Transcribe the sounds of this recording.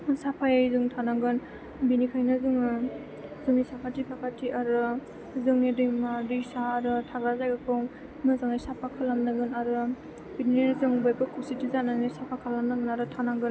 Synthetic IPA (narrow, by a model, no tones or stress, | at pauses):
sapʰajajzɯŋtʰanaŋɡɯn | binikʰajnɯzɯŋ | zɯŋnisapʰatipʰakʰatʰiaɾɯ | zɯŋnidɯjmaɾisaːɾɯtʰaɡazajɡakʰɯwŋ | nɯzaŋajsapʰakʰalamnaɡɯnaɾɯ | binininzɯŋbajbɯkʰusitizananasapʰakʰalamnaɡɯnaɾɯtʰanaŋɡɯn